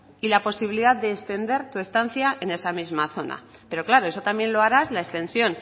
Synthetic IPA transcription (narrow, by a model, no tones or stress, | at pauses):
ilapo̞siβiliðaððe̞ːst̪e̞nd̪e̞ɾt̪ue̞st̪anθjaʔene̞samizmaθo̞na̰ | pe̞ɾo̞klaɾo̞e̞so̞t̪amje̞nlo̞aɾazlaest̪e̞nsjo̞n